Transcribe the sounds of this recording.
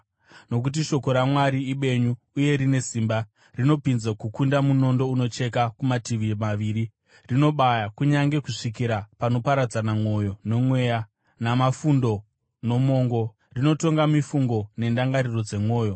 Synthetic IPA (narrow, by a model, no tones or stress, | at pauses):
no̞kut̬iʃo̞ko̞ɾamwaɾiiɓe̞ɲuːje̞ɾine̞siːmba | rino̞pinzakukundamuno̞ndo̞uno̞t͡ʃe̞kakumatiʋimaʋiːɾi | rino̞ɓajakuɲaŋɡe̞kuʂikiɾapano̞paɾad͡zanamo̞jo̞ne̞mwe̞ːja | namafundo̞ | no̞mo̞ːŋɡo̞ | rino̞to̞ŋɡamifuŋɡo̞ne̞ndaŋɡaɾiro̞d͡ze̞mwo̞ːjo̞